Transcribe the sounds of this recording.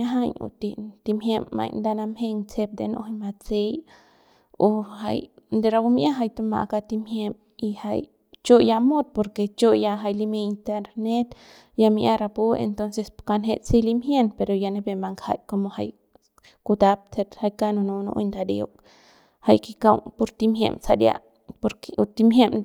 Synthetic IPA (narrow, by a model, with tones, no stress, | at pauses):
aɦaɲṵ˧t̪i˧t̪i˧mhje˦mːa̰˧jnd̪a˧na˧mhe˧ŋt͡se˧p̚d̪ḛ˧no̰˧hama˧t͡se˧˦j | u˧hajnd̪e˧ɾa˧bumʔa˦ɦa˧jt̪u˧ma̰˨ʔka˧t̪i˧mhje˧m | ihaj | t͡ʃo˦ja˧mo˦t̪̚po˧ɾke˧t͡ʃo˦ja˧ɦa˧jlime˧int̪e˧ɾne˦t̪ | ja˧mi˧ʔa˧ɾa˧po˦ḛnt̪o˧nse˧ska˧nɦe˧t͡si˦limhje˦npe˧ɾo˧ja˧ne˧be˧ma˧ŋkha̰˧jko˧mo˧ha˧j | kut̪a˧p̚t̪ʰe˧ɾha˧jka˦no˧nu˧no̰˧ʔo̰jnd̪a˧d̪ḛo˧k | ha˧jki˧ka˧wpu˧ɾt̪i˧mɦjḛ˧msa˧d̪ja̰˧ | po˧ɾku˧t̪i˧mɦje˦m